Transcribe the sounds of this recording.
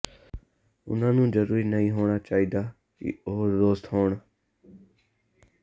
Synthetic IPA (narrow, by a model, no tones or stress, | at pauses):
ʊ̰nãːnũːd͡ʒəɾuːɾiːnəĩːɦoːɳaːt͡ʃaːɦiːd̪aː | kḭoːɾd̪oːst̪ɦoːɳ